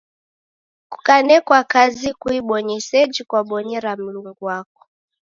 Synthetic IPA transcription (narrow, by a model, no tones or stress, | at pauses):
ku̥kanɛkwakazikuiɓɔɲɛsɛd͡ʒikwaɓɔɲɛɾam̩luŋɡuwakɔ̥